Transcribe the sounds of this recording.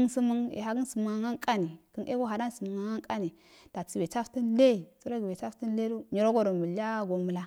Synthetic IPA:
ə˦nsə˦mə˦ŋḛ˨ɦa˨ɡi˦nsə˨mu˨ŋa˨ŋa˦ŋkʼa˦ni˨kə˦nʔḛ˦ɡo˦ɦa˨da˦n˦sə˨mu˨ŋa˨ŋa˦ŋkʼa˦ni˨ | d̥a˨t͡si˨be˨t͡sa˦fti˦nle˦˨t͡su˦ɾa˦ɡi˨be˨t͡ʃa˦fti˦nle˦do˦ɲi˨ɾo˦ɡo˨ɾo˨mu˨la˦ɡo˨mə˨la˦

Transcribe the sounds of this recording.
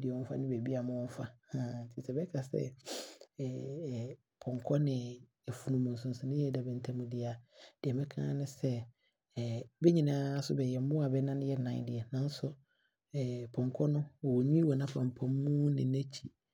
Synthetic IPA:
dɪ˨ɛ˨ɔ̃˦fa̰˦nɪ̃˦be˨bi˦a˨mʊ̃˦fa˦a˨n̩˨tʰi˨sɛ˨bɛ˦kʰa˨sɛ̰˦˨ | pʰɔ̃˨ŋkʰɔ˦nɪ̃˨ | ɛ˨fu˨nũ˨mʊ̃˨n̩˨sʊ̃˨n̩˨sʊ̃˨nɪ̃˦jɛ˦˨dɛ˨bɛ˨n̩˨tʰã˨mʊ̃˨dɪ˨a˨d̥ɪ˨ɛ˨mɛ̃˦kʰã̰ː˦nɪ̃˦sɛ˦˨ | bɛ˦ɲĩ˨nã˦a˦sʊ˦bɛ˨jɛ˨m˦mʊ̃˦a˨bɛ˦nã˦nɪ̃˦jɛ˦nã̰˨dɪ˨ɛ˨nã˦n̩˦sʊ˦˨ | pʰɔ̃˨ŋ˨kʰɔ˦nʊ̃˦ɔ˨wɔ˨ɲĩ˦wɔ˨nã˦fã˨m̩˨pʰɔ̃˨mː˦ũ˦nɪ̃˨næ˦t͡ɕʰi˦

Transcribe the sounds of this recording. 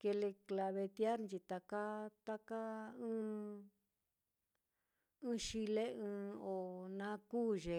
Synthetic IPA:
ke˧le˧kla˧βe˧t̪ja˦ɾnt͡ʃi˧t̪a˧ka˦t̪a˦ka˦ɨ̃ː˦ | ɨ̃˦ʃi˧le˦ɨ̃ː˧˦o˨nã˦kuː˦˨ʒe˨

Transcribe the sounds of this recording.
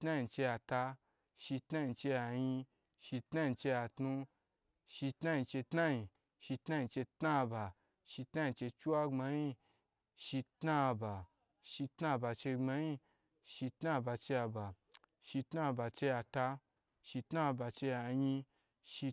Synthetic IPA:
tna˦ji˧t͡ʃe˧ja˨˧ta˧ | ʃi˧tna˦ji˧t͡ʃe˧ja˧ji˧ | ʃi˧tna˦ji˧t͡ʃe˧ja˨tnu˧ | ʃi˧tna˦ji˧t͡ʃe˧tna˦ji˧ | ʃi˧tna˦ji˧t͡ʃe˧tna˦˧ba˨ | ʃi˧tna˦ji˧t͡ʃe˧t͡ʃu˦wa˦ŋ͡ma˧˦ji˧ | ʃi˧tna˦˧ba˨ | ʃi˧tna˦˧ba˧t͡ʃe˧ŋ͡ma˧˦ji˧ | ʃi˧tna˦˧ba˧t͡ʃe˧ja˧ba˨ | ʃi˧tna˦˧ba˨t͡ʃe˧ja˧ta˧ | ʃi˧tna˦˧ba˨˧t͡ʃe˧ja˨jĩ˧ | ʃi˧

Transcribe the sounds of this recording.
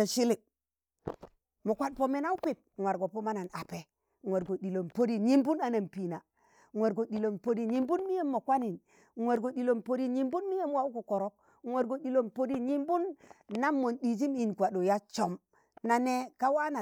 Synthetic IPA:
ʃi˦li˨ | mo˨kʷa˦ɗ̚po˨me˦na˦u˦pi˦˨p̚ŋʷwa˨ɾɡo˨po˦ma˦na˨na˨pe˨ | ŋʷe˨ɾɡo˨ɗi˨lo˨mpo˦di˨ɲi˦mbu˦na˨na˨mpi˨na˨ | ŋʷwe˨ɾɡo˨ɗi˨lo˨mpo˦di˨ɲi˦mbu˦nmi˦je˦mːo˨kʷa˦ni˨n | ŋʷwe˨ɾɡo˨ɗi˨lo˨mpo˦ɾi˨ɲi˦mbu˦nmi˦je˦mwa˦u˦ko˨ko˨ɾo˦k̚ | ŋʷe˨ɾɡo˨ɗi˨lo˦˨mpo˦di˦˨ɲi˦mbu˦nːa˦mːo˨nɗi˨zi˦mi˨nkʷa˨ɗo˨ja˦t͡ʃo˨m | na˨ne˦ka˦wa˦na˨

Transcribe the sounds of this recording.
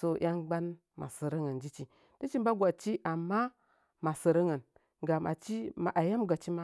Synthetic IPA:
so˦˨jʔa˦ŋɡ͡ba˦n | ma̰˨sə˨ɾə˦ŋə˨nd͡ʒi˦t͡ʃi˨ | d̥i˦t͡ʃi˦mba˦ɡʷa˨t͡ʃi˦ʔa˨mːa˦ | ma˨sə˨ɾə˦ŋə˨n | ɡa˨ma̰˨t͡ʃi˦ma˨ʔa˨ja˦m˦ɡa˨t͡ʃi˦ma˦

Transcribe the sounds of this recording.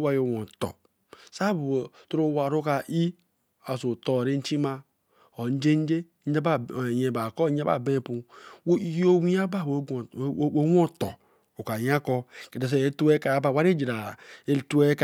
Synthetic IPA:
wa˦jo˨wo˨tɔ̰˨ | sa˦bu˨tu˦ɾu˦wa˨ɾu˦ka˨ʔi˦ | a˨so˨to˨ɾe˦n̩˦t͡ʃi˦ma˦ | o˨n˦d͡ʒe˦n˦d͡ʒe˦ | d͡ʒa˦ba˦˨je˨ba˨kɔ˦a˦ba̰˨be˦˨pu˨˦ | jo˦wi˦a˦ba˦˨wo˦˨˦o˦wo˦˨tɔ˨ | u˨ka˨ja˦kɔ˦ke˨te˨s̬e˨e˦tu˦e˦ka˨˦ba˨wa˦ɾe˦d͡ʒi˨ɾa˨e˦tu˦e˦k

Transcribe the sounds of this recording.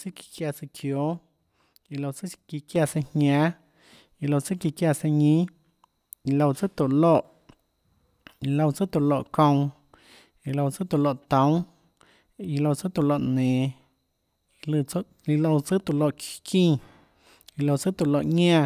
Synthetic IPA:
t͡sɨ˦ki̥˧kja˧t͡sɨ˧kʰjo˨˦ | i˧lo˧wt͡sɨ˦ki˧kja˧˨se˧hɲãː˦ | i˧lo˧wt͡sɨ˦ki˧kja˧se˧ɲĩ˦ | i˧lo˧wt͡sɨ˦t̪o˨lo˧˨ʔ | i˧lo˧wt͡sɨ˦t̪u˨lo˧˨ʔkõ˧w̃ | i˧lo˧wt͡sɨ˦t̪u˨lo˧ʔt̪õ˦w̃ | i˧lo˧t͡sɨ˦t̪u˧˨lo˧ʔnẽː˨˧ | lɨ˧˦ | i˧lo˧wt͡sɨ˦t̪u˧˨lo˧˨ʔkĩː˦˧˨ | i˧lo˧wt͡sɨ˦t̪u˨lo˧ʔɲã˦˧

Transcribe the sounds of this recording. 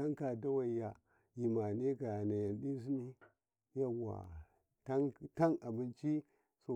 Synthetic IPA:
a˦ŋka˨da˦wa˨ja˨ | ji˨ma˨ne˦ɡa˨jna˨ja˨nɗi˦s̬i˦ni˦ | ja˦˨wa̰˨ | ta˦ŋta˦na˨bi˦nt͡ʃi˦ | so˨

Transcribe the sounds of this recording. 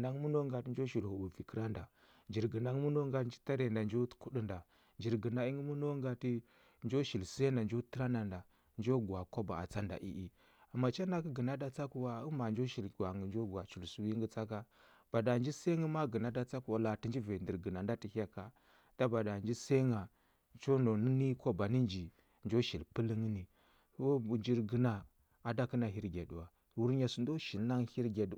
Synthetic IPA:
na˦ŋ˦mu˦no˦ŋɡa˨ti˦nd͡ʒo˦ʃi˨lhu˨bu˨vi˨kə˦ɾa˦nda˨ | nd͡ʒi˨ɾɡə˨na˦ŋ˦mu˦no˦ŋɡa˦tnd͡ʒi˦ta˦ɾe˨nda˨nd͡ʒo˦ku˦ɗi˦nda˨ | nd͡ʒi˨ɾɡə˨na˨i˦ŋɡə˦mu˦no˦ŋɡa˨ti˦ | nd͡ʒo˦ʃi˨lse˦nda˨nd͡ʒo˦tə˦ɾa˦nda˨nda˨ | nd͡ʒo˦ɡu˨a˨ko˦ba˨a̰˨t͡sa˦nda̰˨ʔḭ˦ʔi˦ | a˨ma˨t͡ʃa˦na˦ki˦ɡə˨na˦da˦t͡sa˦ku˦wa˦u˦ma˨nd͡ʒo˦ʃi˨la˨ŋə˨nd͡ʒo˦ɡʷa˨t͡ʃu˨lsu˦wi˦ŋɡə˦t͡sa˦ka˦ | b̥a˨da˨nd͡ʒi˦se˦ŋi˦ma˦ɡə˨na˦da˦t͡sa˦ku˦˨wa˨la˨ti˨nd͡ʒi˦ve˨ndi˨ɾɡə˨na˨nda˦ti˨ha˦ka˨ | d̥a˦ba˨da˨nd͡ʒi˦se˦ŋa˨ | t͡ʃo˦no˨ni˦ni˦ko˦ba˨ni˦nd͡ʒi˨ | nd͡ʒo˦ʃi˨lpə˦li˦ŋi˦ni˨˦ | o˦˨nd͡ʒi˨ɾɡə˨na˨ | a˨da˦ki˦na˨ɦi˦ɾɡʲe˨du˨wa˨ | wu˦ɾɲa˨su˨ndo˦ʃi˨lna˦ŋ˦hi˦ɾɡa˨du˨

